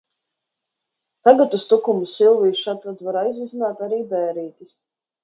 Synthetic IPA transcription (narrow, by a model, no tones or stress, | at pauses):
t̪aɡat̪ust̪ukumusilˠviːʃat̪vat̪vaɾajzvizinaːt̪aɾiːbɛːɾiːt̪ʲis